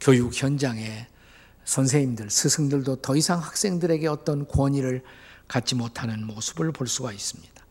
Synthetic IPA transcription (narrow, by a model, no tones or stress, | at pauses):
kjojukçjʌnd͡ʑaŋe̞ | sʰʌns̬ʰeŋimdɯɭsʰɯsʰɯŋdɯɭdotʌisʰaŋhak̚s͈e̞ŋdɯɾe̞ɡe̞ʌt͈ʌnkwʌɲiɾɯɭkat̚t͡ɕ͈imotʰanɯnmosʰɯ̥bɯɭpoɭs͈uɡais͈ɯmɲid̥ḁ